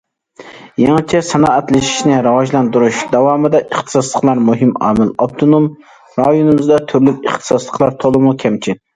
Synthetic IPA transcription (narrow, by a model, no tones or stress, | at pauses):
jɛŋt͡ʃʰɛsɑnɑːɛt̪lɪʃi̥ʃnɪɾɨwɑʒlˠɑnd̪uɾuʃd̪ɑwɑːmɨd̪ɛʔəχt̪ʰɨ̥sɑslˠəqlˠɑɾmuɦɪmɑ̰ːmɪlɑb̚t̪ʰonom | ɾɑjonɨmɨzd̪ɛt̪ʰyɾlykʲəχt̪ʰɨ̥sɑslˠəqlˠɑɾt̪ʰolˠɨmukʲʰɛmt͡ʃʰi